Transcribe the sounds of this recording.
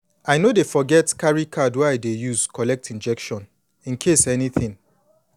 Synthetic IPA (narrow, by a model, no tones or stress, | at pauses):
ajnodefɔɡɛtkaɹikʰadwaaɪdejuzkʰɔlɛk̚tʰĩnd͡ʒɛkʃɔ̃n | ĩnkʰesɛniθĩŋ